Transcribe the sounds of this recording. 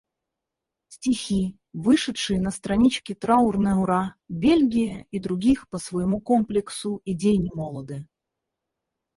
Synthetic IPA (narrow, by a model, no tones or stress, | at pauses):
sʲtʲixʲi | vɨʂɨt̪ʂɨjənəst̪ɾɐnʲit͡ɕkʲɪt̪ɾaʊrnəʊɾabʲelʲɡʲɪjəid̪ɾʊɡʲixpəsvəjɪmukomplʲɪksʊɪdʲejnʲɪmolˠəd̪ɨ